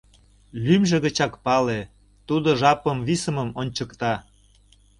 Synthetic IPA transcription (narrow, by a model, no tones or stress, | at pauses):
lymʒĕɣə̆t͡ɕɑkpɑle | t̪ud̪oʒɑpəmvisəməmonʲt͡ɕəkt̪ɑ